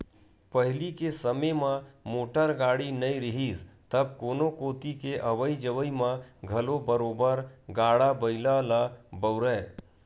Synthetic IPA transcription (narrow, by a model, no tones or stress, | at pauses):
pəɦɪlikesəmemãmoːʈəɾɡaːɽinəĩɾɪɦiːst̪əb̚koːnokoːt̪ikeʔəʋəid͡ʒəʋəimãɡʱɐlobəɾoːbəɾɡaːɽabəɪlalabəʊɾɛː